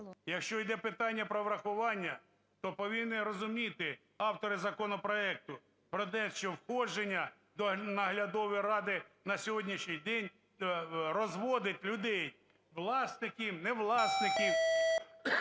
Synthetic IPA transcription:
jɐkʃt͡ʃɔjd̪ɛpɪt̪ɑnʲːɐpɾɔʋɾɐxʊʋɑnʲːɐ | t̪ɔpɔʋʲinːɪɾɔzʊmʲit̪ɪ | ɑwt̪ɔɾɪzɐkɔnɔpɾɔɛk̚t̪ʊ | pɾɔt̪ɛʃt͡ʃɔwxɔd͡ʒʒenʲːɐ | d̪ɔnɐɦlʲɐd̪ɔʋɪɾɑd̪ɪnɐsʲɔɦɔdʲnʲiʃɲʲijd̪ɛnʲ | rɔzʋɔd̪ɪt̪ʲlʲʊd̪ɛj | ʋlˠɑsnɪkʲimnɛʋlˠɑsnɪkʲiw

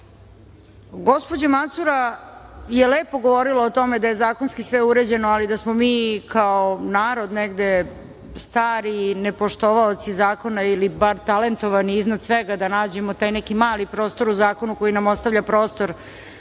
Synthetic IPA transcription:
ɡo̞spo̞d͡ʑemat̪suɾa | jeleːpo̞ɡoʋo̞ɾiloot̪o̞med̪ajezaːko̞nskisʋeuɾed͡ʑe̞noalid̪asmomiːkaonaːɾo̞d̪neɡd̪e̞ | st̪aːɾinepoʃt̪oʋaot̪sizaːko̞nailibaɾt̪ale̞nt̪oʋaniːznad̪sʋeɡad̪anaːd͡ʑe̞mot̪aːjnɛkimaːlipɾo̞ːst̪o̞ɾuzaːko̞nuko̞jinamost̪aʋʎʲapɾo̞ːst̪o̞ɾ

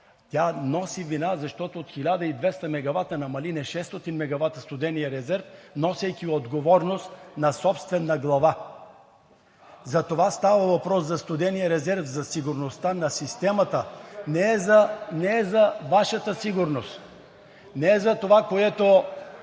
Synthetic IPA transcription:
t̪ʲanɔsivinazɐʃt̪ɔt̪oot̪xilʲad̪əid̪vɛst̪ɐmɛɡɐvat̪ənɐmɐlinɛʃɛst̪ɔt̪inmɛɡɐvat̪əst̪ʊd̪ɛnijəɾɛzɛɾfnɔsɛjkʲiod̪ɡovɔɾnost̪nɐsɔpst̪vɛnːɐɡlˠɐva | zɐt̪ovast̪avəvɐpɾɔszɐst̪ʊd̪ɛnijəɾɛzɛɾfzɐsiɡʊɾnost̪anɐsist̪ɛmɐt̪ənɛɛzɐnɛɛzɐvaʃət̪əsiɡʊɾnost̪ | nɛɛzɐt̪ovakoɛt̪o

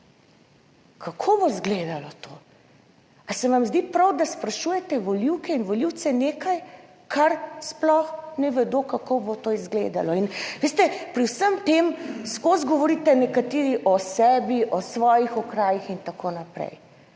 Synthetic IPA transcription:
kʰakʰobozɡled̪alɔt̪ʰo | asɛʋamzd̪ipɾawd̪aspɾaʃujɛt̪ɛʋɔliwkɛinʋɔliwt̪sɛneːkaj | kʰaɾsplɔxnɛʋɛd̪oːkakobot̪oːizɡlḛd̪a̰lɔinʋest̪ɛpɾiwsəmt̪emskozɡɔʋɔɾit̪ɛnɛkat̪eːɾiʔɔsɛːbiʔɔsʋɔːjixɔkɾaːjixint̪akoːnapɾɛ̰j

